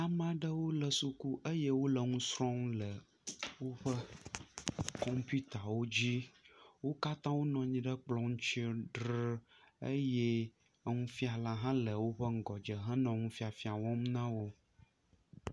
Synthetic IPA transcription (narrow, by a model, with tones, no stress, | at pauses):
a˨mã˨ɖə˦wo˦lə˨su˦ku˦ʔə˦jɛ˦wo˦lə˨ŋũ˦sɾɔ̃˦ŋlə˨ | wo˦ɸə˦ | kɔ˦mpu˦t̪a˨wo˦d͡ʑi˦wo˦ka˦t̪ã˦wo˦nɔ̃˨ɲĩ˦ɖə˦k͡plɔ̃˦ŋ̩̃˦t͡ʃi˦ɖɾə˦ə˦je˦ | ŋũ˦fi˦a˨la˨ɦã˦lə˨wo˦ɸə˦ŋ̩˨ɡɔ˨d͡ʒə˨ɦə̃˦nɔ̃˨ŋũ˦fi˦a˨fi˦a˨wɔ̃˦mnã˦wo˦